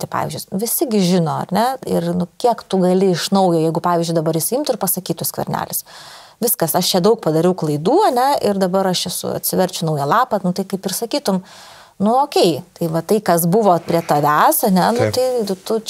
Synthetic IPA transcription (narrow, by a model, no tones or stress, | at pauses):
t̪ɐɪpɑ̰ːʋʲɪzʲd͡ʒʲʊɪʋʲɪsʲɪɡʲɪʒʲɪnoːɐ̰rʲnʲɛɪrnʊkʲiɛkt̪ʊɡɐlʲɪɪʃnɐʊjoːjɛɪɡʊpɑːʋʲiːzʲd͡ʒʲʊɪd̪ɐbɐɾɪʃsʲimt̪ʊɪrpɐsɐkʲiːt̪ʊskʋʲɛ̰ɾʲnʲæ̰ːlʲɪs | ʋʲɪskɐsɐʃt͡ʃʲɛd̪ɐʊkpɐd̪ɐɾʲɛʊklˠɐɪd̪uːɐnʲɛɪrd̪ɐbɐɾɐʃɛsʊ̰ɐ̰t̪ʲsʲɪʋʲɛɾʲt͡ʃʲʊnɐʊjɛlˠɑːpɐnʊt̪ɐɪkɐɪpɪrsɐkʲiːt̪ʊm | nʊoːkʲɛɪt̪ɐɪʋɐt̪ɐɪkɐsbʊʋoːpʲɾʲiɛt̪ɐʋʲæsɐnʲɛnʊt̪ɐɪt̪ʊ